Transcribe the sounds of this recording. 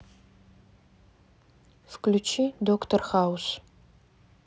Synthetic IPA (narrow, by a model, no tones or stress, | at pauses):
fklʲut͡ʃʰidoktʰɔrχaːws